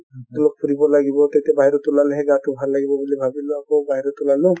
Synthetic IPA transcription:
t̪ulok̚pʰuɾibɔlaɡibɔt̪at̪iabaɦiɾɔt̪ʊlaleɦɛɡatʊbʱalːaɡibɔbulibʱabilʊakobaɦiɾɔt̪ʊlalʊ

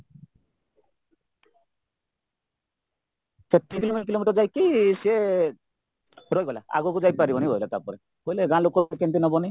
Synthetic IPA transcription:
set̪ːikilomikilomiʈɔɾd͡ʒajkise | ɾɔjɡɔla̰a̰ɡukud͡ʒajpaɾibɔniɔjlat̪aɾpɔɾe | koileɡãlokɔɾkent̪̬inɔbɔni

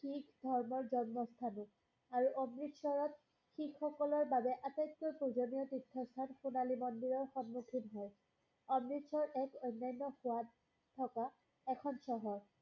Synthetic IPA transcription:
xikʰdʱɔɹmɔɹzɔnmɔstʰanɔ | aɹuʔɔmɹitsɔɹɔt̚ | xikxɔkɔlɔɹbabɛʔatetːojpɹuzɔnijɔtidʰʱːɔst̪ʰanxunalimɔndiɹɔɹxɔnmukʰinɦɔj | ɔmɹitsɔɹʔɛkojnːajnːɔxʊwa | tʰɔka | ɛkʰɔnsɔɦɔɹ

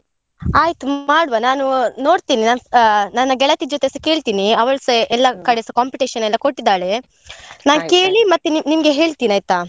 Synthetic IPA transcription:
aːjt̪uaːɽʋanaːnuno̞ːɽt̪iːninaːnnaːnɐɡɛɭɐt̪id͡ʒot̪esɐke̞ːɭt̪iːniɐʋɐɭsɐɛlːɐkɐɽesɐkaːmpiʈiːʃɐnɛlːɐkoʈːid̪aːɭe̞ | naːnke̞ːɭimɐt̪ːunimɐɡeɦe̞ːɭt̪iːniaːjt̪aː

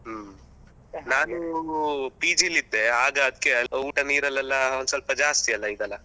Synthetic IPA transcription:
naːnu | piːd͡ʒilid̪ːeaːɡɐːd̪ikːeuːʈɐniːɾɐlːɛlːɐonsɐlpɐd͡ʒaːst̪ijɐlːɐiːɡɐlːɐ

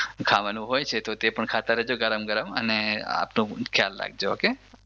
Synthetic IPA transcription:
kʰaʋanũɦojt͡ʃʰet̪ot̪epəɳkʰat̪aɾəɦd͡ʒoɡəɾəmɡəɾəmə̰nea̰pnũkʰja̰lːa̰ɡd͡ʒooke

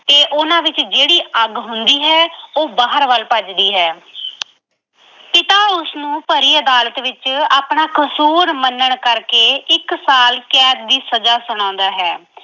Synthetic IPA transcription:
t̪eːʔʊnãːʋɪt͡ʃd͡ʒeːɽiːʔəɡɦʊnd̪iːɦɛːoːbaːɦəɾʋəlpəd͡ʒd̪iːɦɛː | pɪt̪aːʊsnũːpəɾiːəd̪aːlət̪ʋɪt͡ʃaːpɳaːkʰəsuːɾmənːəɳkəɾkeːɪksaːlkɛːd̪̚d̪iːsəzaːsʊɽ̃ãːnd̪aːɦɛː

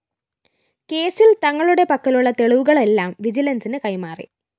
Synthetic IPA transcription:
ke̞ːsilt̪ɐŋːɐɭuɽe̞pɐkːɐluɭːɐt̪e̞ɭuʋuɣɐɭe̞lːaːmʋid͡ʑilɐnsinɨkɐjmaːrḭ

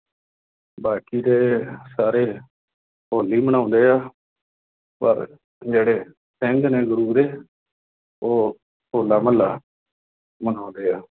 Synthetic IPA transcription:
baːkiːd̪eːsaːɾeː | poːliːməɽ̃ãːnd̪eːaː | pə̰ɾ | d͡ʒeːɽeː | sɪŋɡneːɡʊɾuːɾeː | oː | koːlaːməlːaː | məɳaːnd̪eːaː

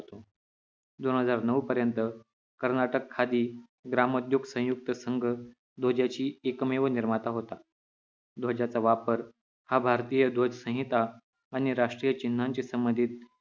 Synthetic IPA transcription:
t̪o | d̪onɦəd͡zaɾnəupəɾjənt̪ə | kəɾnaʈəkʰːad̪iː | ɡɾaməd̪joɡsə̃juk̚t̪əsəŋɡʱə | d̪ʱod͡ʑjat͡ɕiːekmeʋəniɾmat̪aɦot̪a | d̪ʱod͡ʑat͡saʋapəɾ | habʱaɾt̪ijəd̪ʱod͡ʑsə̃ɦit̪aː | ɽ̃iɾaʂʈɾijət͡ɕin̤ːaɲt͡ɕisəmbənd̪ʱiːt̪̚

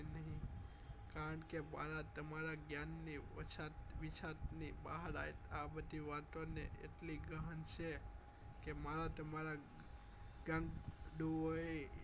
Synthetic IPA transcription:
nəɦĩ | kaɾəɳkemaɾat̪əmaɾaɡjanːiʋət͡ʃʰat̪ʋit͡ʃʰat̪nibaɦaɾa̰et̪abəd̪ʱiʋat̪onḛḛʈliɡəɦənt͡ʃʰe | kemaɾat̪əmaɾa | ɡãŋɡɖ̪uʋoe

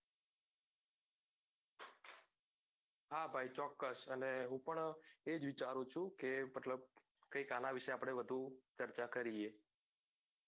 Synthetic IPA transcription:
habʱajt͡ʃɔkːəsəneɦũpəɳed͡ʒʋɪt͡ʃaɾũt͡ʃʰũkeməʈʰləb̚ | kəjkanaʋiʃeapɽ̃eʋəd̪ʱut͡ʃəɾt͡ʃakəɾie

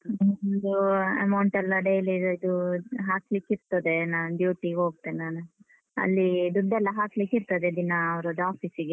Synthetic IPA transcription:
ond̪uɐ̰mɐwɳʈɛlːɐɖejlidid̪uɦaːklikiɾt̪ɐd̪enaːnɖjuːʈiɡɦoːɡ̚t̪ːenaːnu | ɐ̰lːid̪uɖːɛlːɐɦaːklikiɾt̪ɐd̪ed̪inɐːʋɾod̪aːpʰisiɡe

